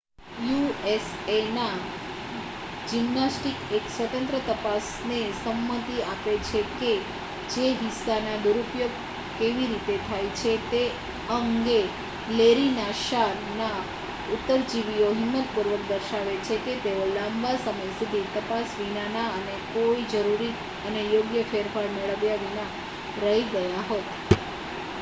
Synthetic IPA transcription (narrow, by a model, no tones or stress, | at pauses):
juesena | d͡ʒimːasʈikeksʋət̪ə̃nt̪ɾət̪əpas | nesəmːət̪iapet͡ʃʰeke | d͡ʒeɦisːanad̪uɾupjoɡ̚ | keʋiɾit̪et̪ʰajt͡ʃʰet̪e | əŋɡe | leɾinaʃa | na | ut̪ːəɾd͡ʒiʋioɦɪmːət̪̚puɾʋəkd̪əɾʃaʋet͡ʃʰeket̪eolãmbasəməjsud̪ʱit̪əpasʋinanaənekoid͡ʒəɾuɾi | ənejoɡjəfeɾfaɾmeɭəʋjaʋina | ɾəɦiɡəjaɦot̪